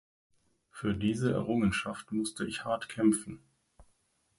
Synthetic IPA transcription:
fyːɐdiːzəɛ̰ɐʁʊŋənʃaftmʊstʰəɪçhaɐtkʰɛmfn̩

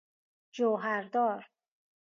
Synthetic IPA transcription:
d͡ʒoɦæɾd̪ɒːɾ

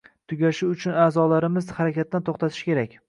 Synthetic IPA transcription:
t̪ʰʊɡʲaʃɪʊt͡ʃʰʊnaːzɒlaɾɪmɪzhaɾakʲat̪ːant̪ʰoχt̪at̪ʰɪʃkʲe̞ɾakʲ

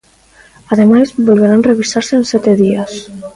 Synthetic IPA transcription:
aðemajzbolβeɾanreβisaɾseːnsɛt̪eðias

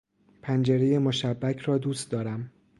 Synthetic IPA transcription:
pʰænd͡ʒe̞ɾe̞je̞moʃæbːæcʰrɒːd̪uːst̪̚d̪ɒːɾæm

